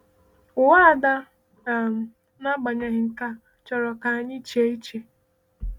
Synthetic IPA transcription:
ʊ˨wa˦˨da˦˨ | m˨ | na˦ɡ͡ba˨ɲa˦ɦɪ˨ŋ̩˨ka˦ | t͡ʃɔ˨ɾɔ˨ka˨a˨ɲɪ˦t͡ʃe˦i˦t͡ʃe˨

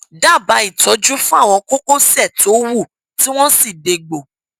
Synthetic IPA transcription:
da˦˨ba˨˦i˦˨tɔ˨˦d͡ʒu˦fũ˦a˦˨w̃ɔ̃˧ko˦ko˦sɛ˦˨to˨˦wu˦˨ | ti˦w̃ɔ̃˦si˦˨de˧ɡ͡bo˨

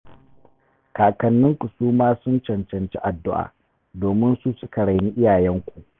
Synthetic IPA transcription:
kaː˨kɐ˨nːɪ˦ŋkʷʼʊ˨suː˦maː˦sʊ˦nt͡ʃɐ˨nt͡ʃɐ˨nt͡ʃi˦ʔa˨dːʊ˦ʔa̰ː˨ | doː˨mɪ˦nsu˦sʊ˦ka˨ɽa˨niː˦ʔɪ˦jaː˨jɛ˦ŋkʷu˨ʔ

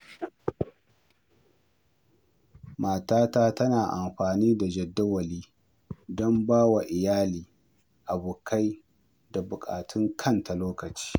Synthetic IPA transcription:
maː˨taː˦taː˦tɐ˦naː˨ʔa˨mɸaː˨niː˦da˨d͡ʒɛ˨dːa˦wɐ˨liː˦ | dɔ˦mbaː˦wa˨ʔɪ˨jaː˦liː˨ | ʔa˨bʊː˨kʰa˦j | da˨bʊ˨kʼa̰ː˨tʰɪ˦ŋkʰɐ˦˨ntʰa˨loː˦kɐ˨t͡ʃi̥ː˦

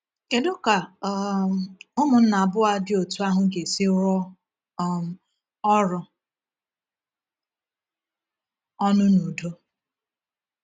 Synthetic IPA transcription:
ke˨dʊ˦ka˨ | ʊ˦mʊ˨n̩˦na˨a˨bʊ˦a˦dɪ˦o˨tu˦a˦ɦʊ˦ɡe˨sɪ˦ɾɔ˦˨ | ɔ˦ɾʊ˨ | ɔ˦nʊ˦nu˨do˦

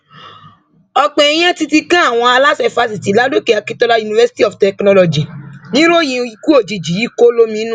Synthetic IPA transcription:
ɔ˧k͡pɛ̃˧i˧j̃ɛ̃˦ti˧ti˧kã˦a˦˨w̃ɔ̃˧a˧la˦sɛ˧fa˧s̬i˨ti˨˦la˦do˦ke˨a˨˧ki˦tɔ˧la˧ju˧nĩ˧vɛ˧si̥˦ti˦ɔ˨ftɛ˨knɔ̃˧lɔ˨d͡ʒi˨nĩ˦ɾo˦jĩ˧i˧ku˦o˦˨d͡ʒi˨d͡ʒi˨ji˦ko˦lo˦mĩ˧˦nũ˦

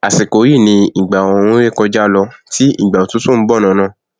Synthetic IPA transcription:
a˨si˨ko˨˦ji˦˨nĩ˧i˨ɡ͡ba˨ɔ˨ũ˧˦ɾe˦˨kɔ˧d͡ʒa˦lɔ˧ti˦ḭ˦˨ɡ͡ba˨o˨tũ˦sũ˦˨n̩˦bɔ˦˨nã˨˧nã˦˨

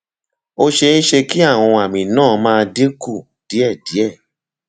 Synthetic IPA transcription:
o˦ʃe˧ñ̩˦ʃe˧ki˦a˦˨w̃ɔ̃˧a˨mĩ˨nãː˦˨˧mãː˧˦˧de˦ku˦˨ | d̥i˨˦ɛ˦˨di˨˦ɛ˦˨

